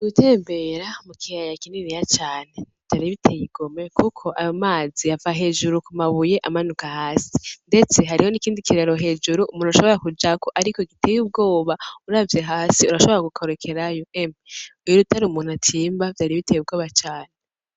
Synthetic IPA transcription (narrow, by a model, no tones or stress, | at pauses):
ɡutʰe̞ːmbe̞ɾamukʰijajakiniɾijat͡ʃaːnev̥taɾiβitʰejiɡ̥o̞me̞kukʰo̞ʔajomaːziavahaɦe̞ːʒuɾukumaβuje̞ʔamanukahaːsi̥nde̞t͡se̞ɦaɾiho̞nikiːndikiɾeɾo̞ɦe̞ːd͡ʒuɾuʔumuːnhuaʃo̞βo̞ɾakud͡ʒakoʔaɾikoɡitʰeːjub̚ɡo̞ːβauɾavje̞ɦaːsiuɾaʃo̞βo̞ɾaɡukʰoɾekʰe̞ɾajoʔemujoɾutaɾumuːn̥hatʰiːmbavtaɾiβitʰejub̚ɡo̞ːβat͡ʃaːne